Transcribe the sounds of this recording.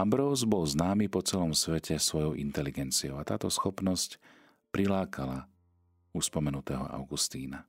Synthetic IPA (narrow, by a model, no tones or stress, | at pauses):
ambɾɔʊzbɔlznaːmipɔt͡sɛlɔmsʋɛcʰɛsʋɔjɔʊʔḭnt̪ɛliɡɛnt͡siɔʊat̪aːt̪ɔsxɔpnɔsc | pɾilaːkʰala | uspɔmɛnut̪ɛːɦɔ̰ʔa̰ʊɡust̪iːna